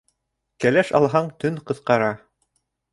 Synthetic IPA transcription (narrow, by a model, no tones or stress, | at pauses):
kælæʃɑ̰lˠɦɑɴt̪ɵnqɤ̆θqɑɾɑ